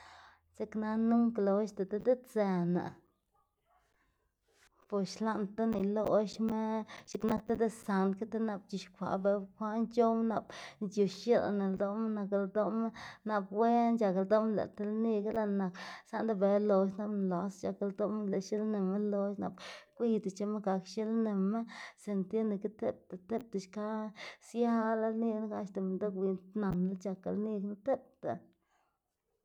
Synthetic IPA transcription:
t͡ʃe˦kna˦nu˦mklo˨˦ʃt̪e˨t̪e˦d̪e˦t͡se˧na̰˨ | po˨ʃla˦nt̪a˦ni˨lo˦ʃme˦t͡ʃe˧kna˦k̚t̪e˦d̪e˦sa˨nka˦t̪e˦na˧b̚t͡ʃi˧˨ʃkʷa̰˨be˨kʷa˦nt͡ʃo˦mna˨bnd͡ʒju˨ʃʃe˦lna˨ld̪o˦m˦na˧kld̪o˦m˦na˧pwe˦nd͡ʒa˨kld̪o˦m˦lḛ˨t̪e˦lni˦ɡa˦la˧˨na˨ksa˦nd̪a˦be˨lo˨ʃna˦bn˨la˨st͡ʃa˨ka˧ld̪o˦m˦le˨ʃi˦lne˨mːe˦lo˧ʃna˨bkʷi˦t̪e˨t͡ʃe˧me˦ɡa˨kʃe˦lne˨mːe˦se˨nt̪je˦ne˨ki˦t̪e˦p̚t̪a˨t̪e˦p̚t̪e˨ʃka˦sja˦la˦lni˧ɡn˦ɡa˧ʃt̪e˨me˨nd̪a˦kwi˨nt̪na˨n˨la˦t͡ʃa˨ka̰˨lni˦ɡna˦t̪e˦p̚t̪ḛ˨

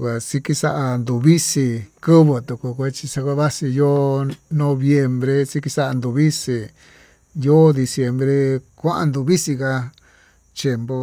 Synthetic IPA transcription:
kʷa˨si˧ki˧sa˦ʔa˧nd̪u˨βi˦si˧kɨ˦βo˧t̪u˨ku˧kʷa˧t͡ʃi˧sa˧kʷa˧βa˦si˧jo˦nõ˧βje˧mbɾe˧si˧˦ki˧sa˦a˧nd̪u˧βi˦si˧ | jo˦d̪i˧sje˧mbɾe˧kʷã˦ʔa̰˧nd̪u˧˨βi˦si˧ka˧ | t͡ʃje˧mbo˧

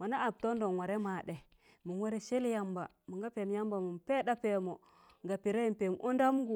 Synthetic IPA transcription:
ma˨na˦ʔa˨b̚to˦ndo˨n˨wa˨ɾe˦ma˨ɗe˨ | mu˨nwa˦ɾe˦ʃe˦lja˦mba˨ | mu˨ŋɡa˦pe˨m˦ja˦mba˨mu˨mpe˦da˦pe˨mo˨ | ŋɡa˨pi˨ɾe˦ji˦mpe˨m˨ʔu˦nda˦m˦ɡu˨

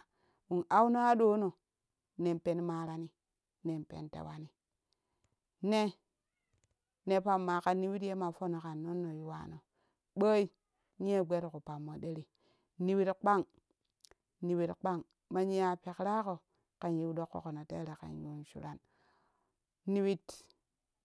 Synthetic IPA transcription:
wu˨na˦wno˦a˦ɗo˦no˨ | ne˨mpe˨nmaː˨˦ɾa˨ni˦ | ne˨npḛ˨ntḛ˨wa˨ni˨˦ | ne˦ | ne˨pa˨mːa˨ka˨nːi˦wi˦tje˦ma˨fo˦no˨ka˨nːo˦nːo˨ju˦wa̰˨no˨ | ɓə˦i˦ | ɲi˦e˦ɡ͡be˦ɾku˨pa˨mːo˨ɗe˦ɾi˨ | ni˨wi˦tk͡pa˦ŋ | ni˨wi˨tk͡pa˦ŋ | ma˦ɲi˦a˨pe˨kɾa˦ko˨ | ka˨nji˦wdo˦kːo̰˨ko˨no˨tḛ˦˨ɾe˨ka̰˨nju˨nʃṵ˨ɾa˦n | ni˨wi˦t

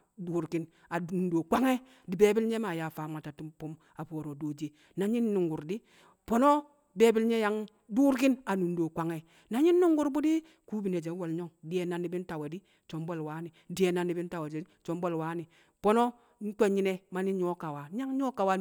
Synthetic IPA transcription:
du˨ɾki˦n | a˨nu˨ndo˨kʷa˦ŋe˦ | di˨be˦bi˦lɲe˦ma˨ja˨fa˨m˨a˨ta˨tu˦mpu˦m | a˨po˨ɾo˨do˨˦d͡ʒe˦ | na˨ɲi˦nː˦u˨ŋɡu˨ɾdi˦ | po˦no˦ | be˦bi˦lɲe˦ja˨˦ŋ | du˦ɾki˦na˨nu˨ndo˨kʷa˨ŋe˨ | na˨ɲi˦nː˦u˦ŋɡu˨ɾbu˦di˦ | ku˦bi˨ne˨d͡ʒe˨˦wo˨lɲo˦ŋdi˨e˨na˨nːi˨bi˦n˦ta˨we˨di˦ | t͡ʃo˨mbo˦˨lwa˨˦ni˨di˨˦e˨na˨nːi˨˦bi˦n˦ta˨we˨d͡ʒt͡ʃo˨˦mbo˦˨lwa˨˦ni˨ | po˦no˦ | n̩˦to˦ɲi˦ne˦ma˨˦ni˦ɲo˦ka˨wa˨˦ɲa˦ŋɲo˦ka˨wa˦

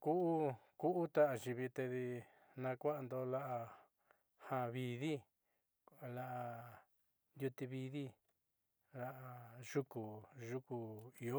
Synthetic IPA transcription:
ku˦ʔu˦ku˦ʔu˦t̪a˦ʔa˨ʒi˧βi˧t̪e˧ði˧ | nã˧kʷa˦ʔa˧nd̪o˧la˦ʔa˧ | hã˧βi˧ði˦˨ | la˧ʔa˧ | nju˧t̪i˧βi˧ði˦ | la˦ʔa˧ʒ̥u˦ku˨ʒu˦ku˧i˧o˦

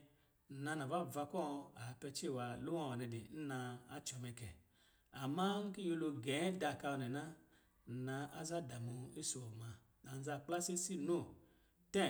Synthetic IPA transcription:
na˧na˨va˦˨va˧kʷɔ˦˧a˨˦pɛ˧t͡ʃe˦˨wa˧lu˦ã˦˨ɔ˨nɛ˧dḛ˨n̩˦na˧a˦t͡ʃɔ˨˧mɛ˧kɛ˨ | a˨ma˦ŋ̩˦ki˦jo˧lo˧ɡɛ˨˦da˧˨ka˧ɔ˧˨nɛ˨na˦˨ | na˧ʔa˦za˦˨da˨mu˧i˦su˧ɔ˨ma˨ | na˨n̩˦za˧˨k͡pla˦se˦si˦no˦˨ | tɛ˦

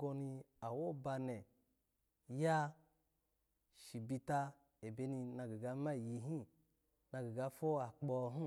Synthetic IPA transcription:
ɡo˧ni˧a˨wo˦ba˧ne˨ | ja˦ | ʃi˨bi˧ta˧ | e˨be˦ni˧na˧ɡi˨ɡa˧˦ma˦˨ji˧ɦĩ˦ | na˧ɡi˨ɡa˧fo˦a˨k͡pɔ˧ɦu˦

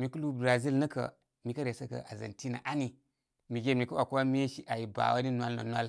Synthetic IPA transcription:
mi˨ku˦lu˦bɾa˨zi˦lnɐ˦kə̰˨ | mi˨kə˦ɾe˨sə˦kə̰˨ʔa˨zə̰˨nti˦na̰˨ʔa˦ni˨ | mi˨ɡe˦˨mi˨ku˦wa˨kwa˦mi˦e˦ʃi˦ʔa˨ji˨ba̰˨wa˦ni˦nwa˦lo̰˨nwa˦l

